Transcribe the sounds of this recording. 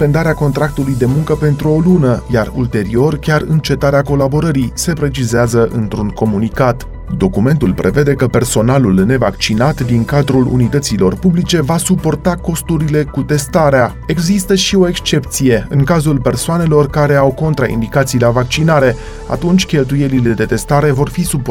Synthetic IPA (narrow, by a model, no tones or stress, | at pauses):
pe̞nd̪aɾeako̞nt̪ɾak̚t̪ulujd̪e̞muŋkəpe̞nt̪ɾuo̞lunəjarṵlt̪e̞ɾio̞rkʲarɨ̰nt͡ʃe̞t̪aɾeako̞labo̞ɾəɾise̞pɾe̞t͡ʃizeazəʔɨnt̪ɾuŋko̞munikat̪ | d̪o̞kume̞nt̪ulpɾʔe̞ve̞d̪e̞kəpe̞rso̞nalulne̞vakt͡ʃinat̪d̪iŋkad̪ɾulṵnit̪ət̪silo̞̰rpublit͡ʃe̞vasupo̞rt̪ako̞st̪uɾile̞kut̪e̞st̪aɾea | e̞ɡzist̪əʃio̞e̞kst͡ʃe̞pt̪sije̞ɨŋkazulpe̞rsoane̞lo̞rkaɾe̞awko̞nt̪ɾaḭnd̪ikat̪sijlavak̚t͡ʃinaɾe̞ | a̰t̪unt͡ʃʲkʲe̞lt̪̬uje̞lile̞d̪e̞t̪e̞st̪aɾe̞vo̞rfisup